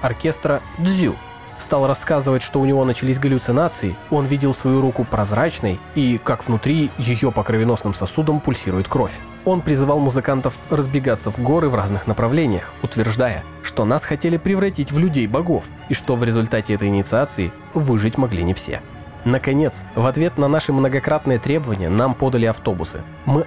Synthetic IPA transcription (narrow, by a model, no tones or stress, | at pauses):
ɐrkʲe̞st̪ɾəd̪zʲṵ | st̪alˠrɐskazɨvətʲʂt̪o̞ʊnʲɪvo̞nət͡ɕɪlʲis̬ʲɡəlʲʊt̪sɨnat̪sɨɪo̞nvʲidʲɪlˠsvɐjuɾukʊpɾɐzɾat͡ɕnə̰jikakvnʊt̪ɾʲijɪjo̞pəkɾəvʲɪno̞snɨmsɐsud̪əmpʊlʲsʲiɾʊjʊt̪̚kɾo̞fʲ | o̞npɾʲɪzɨvalˠmʊzɨkant̪əfrəzbʲɪɡat̪sːəvɡo̞ɾɨvraznɨxnəpɾɐvlʲenʲɪjəxʊt̪vʲɪrʐd̪ajə̰ | ʂt̪o̞nasxɐtʲelʲɪpɾʲɪvɾɐtʲitʲvlʲʉdʲejbɐɡo̞f | iʂt̪o̞vɾʲɪzʊlʲt̪atʲɪɛt̪əjɪnʲɪt̪sɨat̪sɨɪ | vɨʐɨtʲmɐɡlʲḭnʲɪfsʲḛ | nəkɐnʲe̞t̪svɐt̪vʲe̞t̪nənaʂɨmnəɡɐkɾat̪nɨjət̪ɾʲe̞bəvənʲɪjə̰nampo̞d̪əlʲɪɐft̪o̞bʊsɨ̰ | mɨ